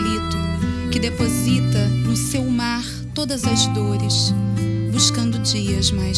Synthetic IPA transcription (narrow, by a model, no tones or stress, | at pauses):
ɾit̪ʊkɪd̪epozit̪ɐnʊsewmaɾ | t̪od̪ɐzɐzd̪oɾɪsbuʃkɐ̃nd̪ʊd͡ʒiɐzmaj